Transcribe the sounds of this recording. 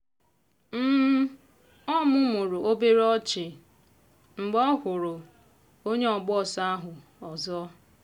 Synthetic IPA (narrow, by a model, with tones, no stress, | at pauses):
m̩˦ | ɔ˦mʊ˦mʊ˨ɾʊ˨ʔo˦be˦ɾɔ˦t͡ʃɪ˨ | ŋ͡m̩˨ɡ͡bɔ˦kʊ˨ɾʊ˨ | o˦ɲe˦ɔ˨ɡ͡bɔ˦˨sa˦a˦ɦʊ˨ | ɔ˨zɔ˦